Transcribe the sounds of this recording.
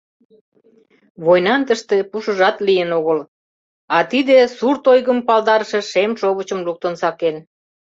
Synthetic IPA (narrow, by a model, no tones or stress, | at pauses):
βojnɑnt̪əʃt̪e̽puʃəʒɑt̪lijənoɣəl | ɑt̪id̪esurt̪ojɣəmpɑld̪ɑɾəʃĕʃemʃoβət͡ɕəmluk̚t̪ənsɑken